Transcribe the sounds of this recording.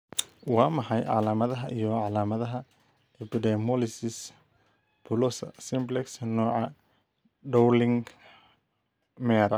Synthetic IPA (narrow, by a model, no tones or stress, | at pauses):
wɑːmɑħɑjʕɑ̰laːmɐðɐɦɐʔijɔʕɑlaːmɐðɐɦɐ | ʔɛpɪdɛmɔlɪsɪs | bʰʊlɔsɐsɪmblɛksnɔːʕɑ | ɖɔwlɪŋ | mɛːɾɐ